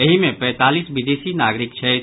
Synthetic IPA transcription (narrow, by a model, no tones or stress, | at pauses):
ɐɦimẽpɛ̃ːt̪aːlisbid̪eːsinaːɡɾɪkkt͡ʃʰɛ